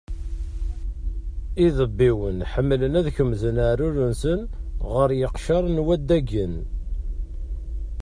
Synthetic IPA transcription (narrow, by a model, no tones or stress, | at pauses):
iðəbːiwənħəmːlənæðçəmːzənaʕɾʊɾənsənʁəɾjəqʃɑɾˤnwæd̪ːæɡən